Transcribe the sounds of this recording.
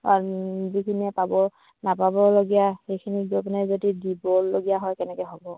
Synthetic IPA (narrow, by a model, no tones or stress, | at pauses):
azikʰiniɛpabɔ | napabɔloɡijaxejkʰinizɔpɔnɛzotidibɔlːoɡijaɦɔjkɛnɛkɔɦɔbɔ